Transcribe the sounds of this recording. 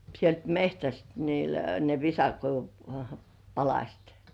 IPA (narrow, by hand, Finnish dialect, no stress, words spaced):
sielt mehtæst niːl ne ʋisɑkoiʋum pɑlɑsʲt